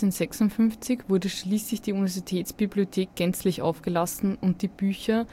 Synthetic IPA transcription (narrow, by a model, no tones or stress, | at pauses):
enzɛksʊntfʏnft͡sɪçv̥ʊɐdəʃliːslɪçd̥iːunivɛɐzitʰɛːtsb̥ibliotʰeːk̚ɡ̥ɛnt͡slɪçʔa̰ʊfɡ̥əlasn̩ʊnt̚d̥iːb̥yːçɐ